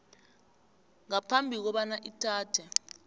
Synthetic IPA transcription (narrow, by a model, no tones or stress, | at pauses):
ŋapʰambʱik̬ɔɓanaʔitʰaːtʰɛ